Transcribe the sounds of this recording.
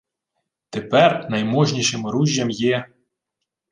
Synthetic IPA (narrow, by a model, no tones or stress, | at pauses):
t̪epɛrnɐjmɔʒnʲiʃɪmɾuʒʲːɐmjɛ